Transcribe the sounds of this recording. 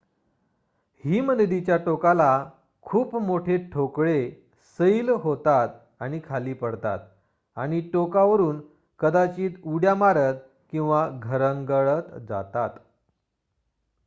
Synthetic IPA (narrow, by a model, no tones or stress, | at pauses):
hiːmənəd̪it͡ɕjaʈokala | kʰuːpmoʈʰeʈʰokɭe | səilɦot̪at̪ | aɽ̃ikʰaliːpəɽt̪a̰t̪̚ | aɽ̃iʈokaʋəɾuːn | kəd̪at͡ɕiːt̪uɽjamaɾət̪̚ | kĩw̃ʋaɡʱəɾəŋɡəɭət̪d͡za̰t̪at̪